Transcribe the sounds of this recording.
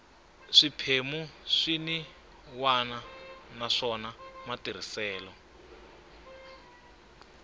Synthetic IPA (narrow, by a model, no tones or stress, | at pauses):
ʂipʰemuʂini | wananaʂɔnamatir̤isɛːlɔ